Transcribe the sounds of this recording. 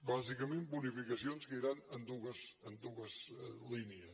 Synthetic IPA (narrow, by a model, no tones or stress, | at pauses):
bazikəmẽmbunifikəsionskəiɾanənd̪uɣəzənd̪uɣəzliniəs